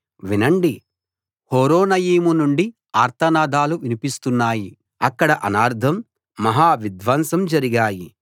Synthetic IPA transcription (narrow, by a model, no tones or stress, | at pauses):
ʋinɐɳɖi | hoːɾoːnɐjiːmunuɳɖi | aːɾt̪ʰɐnaːd̪aːluʋinipist̪unːaːji | ɐkːɐɽɐʔɐnaːɾd̪ʱɐmː | ɐɦaːʋid̪ʋɐnsɐmd͡ʒɐɾiɡaːji